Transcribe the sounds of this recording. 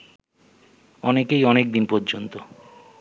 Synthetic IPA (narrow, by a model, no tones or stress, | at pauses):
ɔnekejɔnek̚d̪inpɔɾd͡ʑont̪o